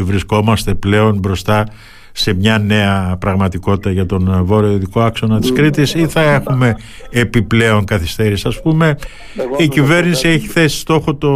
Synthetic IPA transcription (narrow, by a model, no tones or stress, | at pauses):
vɾisko̞mɐst̪e̞ple̞o̞nbɾo̞st̪ɐ | se̞mɲɐne̞ɐpɾɐɣmɐt̪iko̞t̪it̪ɐʝɐt̪o̞nvo̞ɾioiðiko̞ɐksonɐt̪i̥skɾit̪isiθɐe̞xume̞ː | piple̞o̞ŋkɐθist̪eɾisɐspume̞ | icive̞ɾnisie̞çiθe̞si̥st̪o̞xo̞t̪o